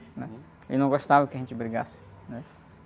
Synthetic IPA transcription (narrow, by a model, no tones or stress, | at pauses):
nɛ | ḛwnɐ̃w̃ɡoʃt̪avɐkɪɐʒẽnt͡ʃɪbɾiɡa̰sɪ̥ | nɛ